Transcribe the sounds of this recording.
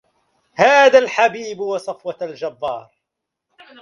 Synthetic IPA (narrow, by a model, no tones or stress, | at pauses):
haːðalħabiːbwɑsˤɑfwɑld͡ʒabːɑːɾˤ